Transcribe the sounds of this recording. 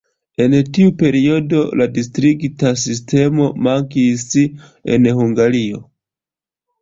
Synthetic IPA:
e̞ntiupe̞ɾio̞do̞ladistɾiɡtas̬is̬te̞mo̞maŋkis | ḛnhuŋɡaɾio̞

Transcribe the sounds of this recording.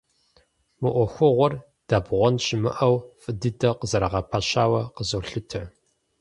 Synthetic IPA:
mɨʔʷɔxʷʊʁʷɔr | d̥aːbʁʷɔnɕʼɪmɨ̰ʔɐwfʼɨdɨdɐqəzɐɾɐʁɐpʰaʃaːwɐqəzɐwɬɨtʰɐ

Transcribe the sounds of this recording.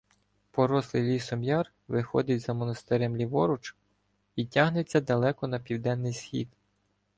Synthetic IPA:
pɔɾɔslˠɪjlʲisɔmjɑr | ʋɪxɔ̰d̪ɪtʲzɐmɔnɐst̪eɾɛmlʲiʋɔɾʊt͡ʃ | itʲaɦnet͡sʲːɐd̪ɐlˠɛkɔnɐpʲiwd̪ɛnːɪjsxʲḭd̪

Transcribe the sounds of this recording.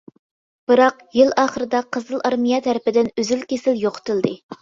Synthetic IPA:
b̥ɨɾɑqjilɑːχəɾɨd̪ɑqʰəzɨlˠɑɾmijɑt̪ʰɛɾɪpɪd̪ɪnyzylkʲʰesɪljoqʰə̥t̪ʰɨlˠd̪ɨ

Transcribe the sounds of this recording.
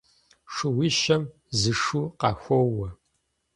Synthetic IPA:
ʂɨwiʃɐm | zɨʂuːqɑːxʷɔwɐ

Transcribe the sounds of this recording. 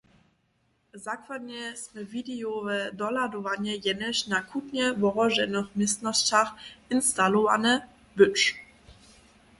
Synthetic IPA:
zakvanəsməvidejovədɔladovanəjɛnəʃnakʰutnəvɔʁɔʒɛnəχmɪstnɔstaχɪnstaloa̰nə | bʏt͡ʃ

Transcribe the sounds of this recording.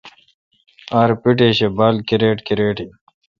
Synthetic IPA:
aːɾpiʈeːɕebaːlkiɾeːʈkiɾeːʈi

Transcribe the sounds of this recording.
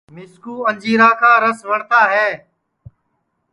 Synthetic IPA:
mɪskuːə̃nd͡ʒiːɾaːkʰãːɾəsʋəɳt̪aːɦɛː

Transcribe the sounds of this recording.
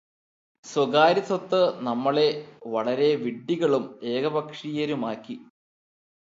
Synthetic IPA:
swɐɡaːɾisɐt̪ːɨnɐmːɐɭe̞ʋɐɭɐɾe̞ʋiɖːiɣɐɭume̞ːɡɐbɐkʂijɐɾumaːkːi

